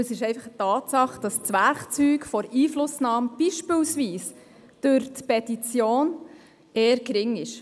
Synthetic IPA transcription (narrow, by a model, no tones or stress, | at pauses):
əsɪʃɛɪfɑχətɑːt̪sɑχd̥ɑst͡sʋæɾkt͡syːkfɔɾiːflʊsnɑːməb̥iʃpɪlsʋiːs | d̥øɾt̪pɛtit͡sjoːn | eːəɾkɾɪŋɪʃ